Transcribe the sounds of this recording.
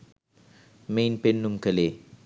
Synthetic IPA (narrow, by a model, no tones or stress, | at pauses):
mejnpenːumkəleː